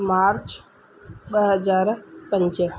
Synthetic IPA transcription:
maːɾt͡ʃ | ɓəɦəd͡ʒaːɾpə̃ɲt͡ʃə

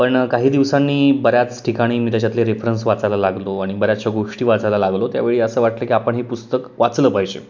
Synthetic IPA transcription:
pəɳkaɦiːd̪iʋsanːiːbəɾjat͡sʈʰikaɽ̃iːmit̪at͡ɕat̪leɾefɾənsʋat͡salalaɡloaɽ̃ibəɾjat͡ɕaɡoʂʈiːʋat͡salalaɡlot̪ja̰ʋeɭiːəsəːʋaʈləːkiːapəɳɦipust̪əkʋat͡sləːpajd͡ʑḛ

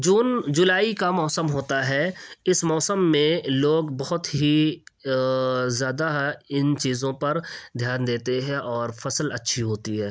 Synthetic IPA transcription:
d͡ʒuːnd͡ʒʊlaːikamɔːsəmɦoːt̪aɦɛɪsmɔːsəmːẽloːɡbɐɦʊt̪ɦi | zjaːd̪aɪnt͡ʃiːzõpɐɾd̪ʱjaːnd̪eːt̪eɦɛ̃ʔɔːɾfɐsəlɐtːʃʰiɦoːt̪iɦɛː

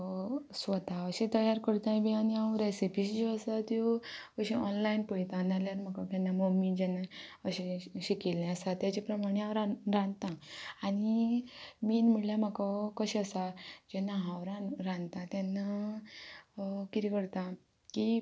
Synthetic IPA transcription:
sʋət̪aəɕẽt̪əjaɾkəɾt̪ãjbianiãɾesipiɕd͡ʑeəsat̪jokəɕĩɔnlainpəjt̪ãnaljaɾm̤əkakanːamomid͡ʑɛnaəɕẽɕikelãəsat̪jat͡ɕapɾəmaɽ̃eãwɾaɾãnt̪ãːɽ̃i | miːnm̤iɽljam̤akakəɕeəsad͡ʑenaɦãwɾanɾãnt̪ãt̪janːa | kit̪ʰikəɾt̪ã | ki

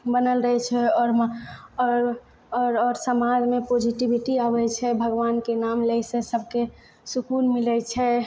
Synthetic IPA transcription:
bənəlɾəɦɛt͡ʃʰɛɔːɾ | ɾɔːɾsəmãd͡ʒmepod͡ʒiʈibiʈiabɛt͡ʃʰɛbʱəɡʋankenamləisesəbʱke | sukunmilət͡ʃʰɛ

